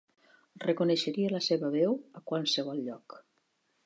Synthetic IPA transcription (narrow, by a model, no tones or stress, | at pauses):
rekuneʃəɾiələseβəβɛwəkwalˠsəβ̞ɔlʎɔk